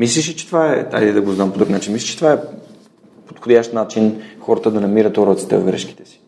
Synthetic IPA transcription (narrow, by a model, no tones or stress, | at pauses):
mislʲiʃ̬it͡ʃɛ̥t̪vaɛa̰jd̪ɛd̪ɐɡoznampod̪ɾuknat͡ʃinmislʲi̥ʃt͡ʃɛ̥t̪ovaɛ | pot̪xod̪ʲjaʃt̪nat͡ʃinxɔɾət̪əd̪ɐnɐmiɾət̪oɾɔt̪sit̪ɛ̰vɐvɡɾɛ̰ʃki̥t̪ɛ̥si̥